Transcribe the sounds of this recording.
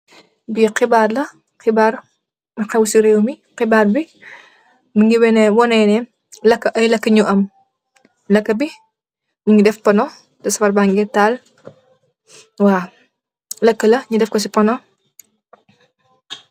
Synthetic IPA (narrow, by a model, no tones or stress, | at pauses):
biqibaːrlɐ | qɪbaːɾ | mɐqɛwsiɾewmiqɪbaːrbi | miŋɡiwɛnɛwɔnɛjnɛ | lɐkːɐʔɐjlɐkːəɲuʔɐm | lɐkːɐbi | nuŋɡidɛfpɐnɔ | dɐsɐfɐrbaŋɡɛtːaːl | waː | lɐkːəlɐɲudɛfkɔs̬ipɐnɔ